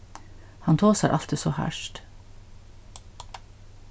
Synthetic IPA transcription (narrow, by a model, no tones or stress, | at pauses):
hɑnt̪ʰoːsæʔɑlt̪əsoːhæ̰ʃʈ